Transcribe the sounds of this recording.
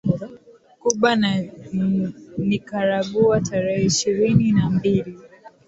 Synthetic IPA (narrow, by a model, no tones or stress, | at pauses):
kuɓan | nikaɾaɠuataɾɛhɛiʃiɾininambili